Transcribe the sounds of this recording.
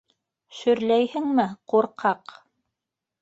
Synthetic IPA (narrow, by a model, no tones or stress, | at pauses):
ʃɵ̆ɾlæjhɘŋmɘquɾqɑq